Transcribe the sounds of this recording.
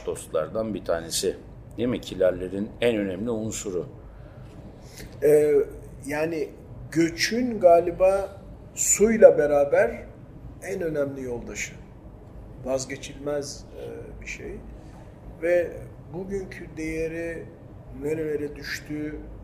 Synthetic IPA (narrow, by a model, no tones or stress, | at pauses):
d̪̥o̞st̪lˠa̰ɾd̪anbit̪ʰaːne̞sɪ | d̪imicʰilʲæɾlʲeɾinænø̞nɛmlʲiunsuɾu | ɛ | jaːni | ɟø̞t͡ʃʰynɡaːlʲibaː | sujlˠabe̞ɾaːbæɾ | ænø̞næmlʲijo̞lˠd̪aʃɯ | vazɟe̞t͡ʃʰilʲmæzbiʃḛj | vɛ | buɟyɲcʰyd̪e̞jeɾi | neɾelʲeɾɛd̪yʃt̪ʰyː